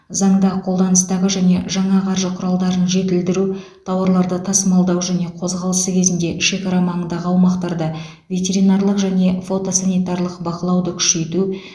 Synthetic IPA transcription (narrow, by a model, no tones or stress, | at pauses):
zɑɴd̪ɑqʰo̞lˠd̪ɑnəst̪ɑʁəʒæne̞ʒɑɴɑqʰɑɾʒəqʰʊɾɑlˠd̪ɑɾənʒe̞t̪ɪld̪ɪɾut̪ʰɑwəɾlˠɑɾd̪ət̪ʰɑsəmɑlˠd̪ɑwʒæne̞qʰo̞zʁɑlˠəsəkʲʰe̞zɪnd̪e̞ʃe̞kɑɾɑmɑɴənd̪ɑʁəɑwmɑqt̪ɑɾd̪ə | vʲe̞t̪ʲe̞ɾinɑrlˠəqʒæne̞fo̞t̪o̞sanijt̪aɾlˠəqbɑqəlˠɑwd̪əkʲʰʏ̥ʃe̞t̪u